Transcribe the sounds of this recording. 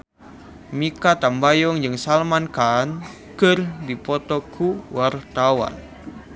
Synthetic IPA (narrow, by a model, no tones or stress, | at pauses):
mikat̪ambajɔŋd͡ʒɨŋsalmankan | kɨrdipɔt̪ɔkʰuwart̪awa̰n